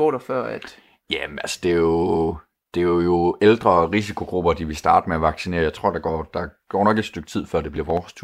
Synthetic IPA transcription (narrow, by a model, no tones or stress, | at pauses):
o̰ːɾ̥ɐfɶɐ̰æd̥ | jæælsə̥d̥e̝o | d̥e̝æjo̝eld̥ʁɐʁis̬ikʰo̝ɡ̥ʁub̥ɐd̥iʋe̝sd̥ɑ̈ːd̥əmeæʋɑ̈ɡ̥sine̝ːɐjɑ̈ɪt͡sʰʁo̝ɐ̰dɑ̈ɡ̥ɒ̰ːd̥ɑ̈ɡ̥ɒ̰ːnɒɡ̥ed̥sd̥øɡ̥̚t͡sʰið̰ˠfɶɐ̰de̝b̥liɐʋɒːst͡sʰuɐ